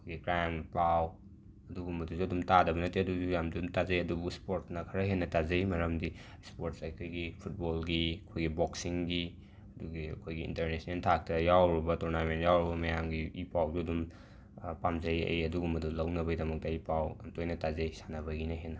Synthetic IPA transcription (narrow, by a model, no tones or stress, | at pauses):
ɐkʰojɡikɾajmplaw | ɐduɡumɐduzuɐdumtadɐbɐnɐtiɐduzujamdumtazɐjɐdubuspoɾtsnɐkʰɐɾɐɦenːɐtazɐjmɐɾɐmdi | spoɾtsɐjkʰojɡipʰut̚bolɡiɐkʰojɡiboksiŋɡi | ɐduɡiɐ̰kʰojɡiḭntɐɾnesnentʰak̚tɐjawɾibɐtuɾnamentjawɾɐbɐmɐjamɡiipawduɐdum | pamzɐjɐ̰jɐduɡumɐdulɐwnɐbɐjdɐmɐk̚tɐipawamtojnɐtazɐjsanɐβɐɡinɐɦenːɐ